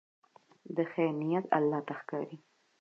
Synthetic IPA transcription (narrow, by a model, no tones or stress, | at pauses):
d̪əxanijat̪a̰lːɑt̪axkɑ̰ɾi